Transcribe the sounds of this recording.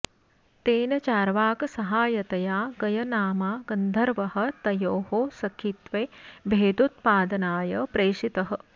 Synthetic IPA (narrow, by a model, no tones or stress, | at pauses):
t̪eːnɐt͡ʃaːɾʋaːkɐsɐɦaːjɐt̪ɐjaːɡɐjɐnaːmaːɡɐnd̪ʱɐɾʋɐɦɐ̆t̪ɐjoːhosɐkʰit̪ʋeːbʱeːd̪ut̪̚paːd̪ɐnaːjɐpɾeːʂit̪ɐɦɐ̆